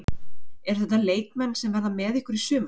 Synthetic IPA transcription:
ɛɾ̥θɛht̪ːaleːjkmɛnːsɛmvɛɾðamɛːðɪhkʏɾisʏːm

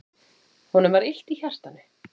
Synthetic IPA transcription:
hɔnʏmvaɾɪl̥t̪içar̥t̪anʏ̥

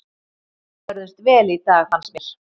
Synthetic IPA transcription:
pœɾðʏst̪vɛːlit̪aːɣhansmjɛɾ̥

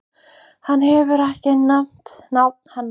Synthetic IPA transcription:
hanhɛvʏɾɛhcɪnam̥t̪nawt̪̚n̥hanː

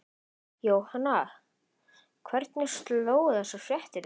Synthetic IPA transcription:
joːwhanːa | kʰvɛɾt̪nɛ̥st̪loːwðasasjɛht̪ɪɾ

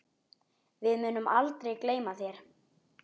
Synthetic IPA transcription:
vɪðmʏːnʏma̰lt̪ɾejkleːjmaθjɛɾ̥

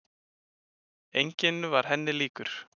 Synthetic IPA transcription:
ejɲcɪnːʏvaɾ̥ɦɛnːɪliːkʏɾ̥

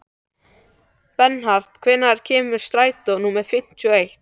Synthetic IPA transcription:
pɛnɦar̥t̪kʰvɛnːaɾ̥cʰɛːmʏ̥st̪ɾaːjt̪ɔnuːmɛðfɪm̥t̪ʰːejht̪

